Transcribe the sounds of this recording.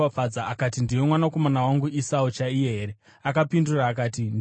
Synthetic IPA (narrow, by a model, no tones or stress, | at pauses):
afad͡zaakatindiwe̞mwanako̞manawaŋɡuʔisaut͡ʃaijeɦeːɾe̞ | akapinduraːk̬aːtin